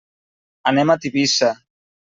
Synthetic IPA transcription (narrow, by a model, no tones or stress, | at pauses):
anɛmat̪iβisa